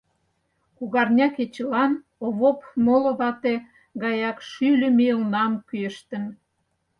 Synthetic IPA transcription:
kuɣɑrnʲɑket͡ɕlɑn | oβopmolŏβɑt̪e | ɣɑjɑkʃylʲə̆meunɑmkyəʃt̪ə̆n

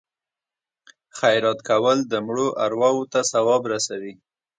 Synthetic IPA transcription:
xajɾɑt̪kawəld̪əmɽoʔaɾwɑwot̪asawɑbɾasawi

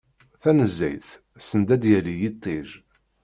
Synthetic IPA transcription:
θænəzːæ̰jθ | sənd̪æd̪jælijit̪ˤːeʒ

